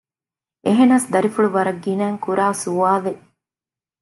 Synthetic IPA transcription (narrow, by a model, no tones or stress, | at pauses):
eɦenɐsd̪ɐɾifuɭuʋɐɾɐɡːinæːŋkuɾaːsuaːʋe